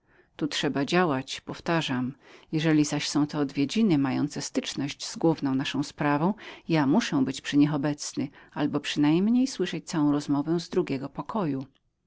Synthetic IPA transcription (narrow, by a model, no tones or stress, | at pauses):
t̪utʂɛbad͡ʑawat͡ɕpɔft̪aʐamjɛʐɛlʲizaɕsɔ̃w̃t̪ɔːd̪vʲjed͡ʑinɘmajɔ̰nt̪sɛst̪ɘt͡ʂnɔʑd͡ʑzɡwuvnɔ̃w̃naʂɔ̃w̃spɾavɔ̃w̃jamuʂɛ̃bɘt͡ɕpʂɘɲixɔbɛt̪snɘalbɔpʂɘnajmɲejswɘʂɛt͡ɕt̪sawɔ̃w̃ɾɔzmɔvɛzd̪ɾuɡʲɛɡɔpɔkʰɔju